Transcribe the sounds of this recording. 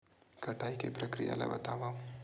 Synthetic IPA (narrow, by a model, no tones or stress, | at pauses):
kʰɐʈaːikepɾəkɾija̰la̰bɐ̰t̪aːʋa